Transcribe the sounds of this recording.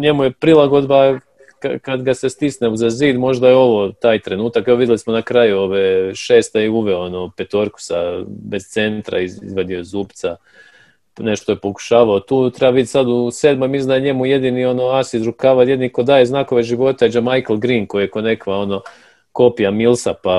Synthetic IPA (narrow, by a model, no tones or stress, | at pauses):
ɲe̞mujepɾilˠaɡo̞d̪ba | kakad̪ɡasest̪isneuzaziːd̪mo̞ʒd̪ajeo̞ʋo̞t̪aːjt̪ɾe̞nuːt̪akɛoʋid̪jelismo̞nakɾajuo̞ʋeʃe̞ːst̪aiuʋeoonopet̪o̞ɾku̥sabe̞z̥t̪se̞nt̪ɾa̰iḭzʋad̪iozuːbt̪sa | ne̞ʃt̪ojepo̞ku̥ʃaːʋaot̪uːt̪ɾe̞baʋid̪ʲet̪ʲsad̪useːd̪momizd̪aɲe̞muje̞d̪inio̞no̞asizɾukaʋaje̞d̪niko̞d̪aːjeznakoʋeʒiʋo̞t̪aed͡ʒamajklˠɡɾiːnko̞ijeko̞ne̞kʋao̞no̞ | ko̞pijamilˠsapa